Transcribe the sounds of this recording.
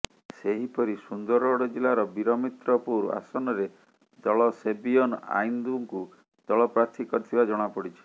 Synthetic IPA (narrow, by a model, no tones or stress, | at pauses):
seɦipɔɾisund̪ɔɾɔɽɔd͡ʒilaɾɔbiɾɔmit̪ɾɔpuɾa̰sɔnɔɾe | d͡ʒɔɭɔsebiɔna̰jnd̪uŋku | d͡ʒ̪ɔɭɔpɾaɾt̪ʰikɔɾt̪ʰibad͡ʒɔɽ̃apɔɽit͡ʃʰi̥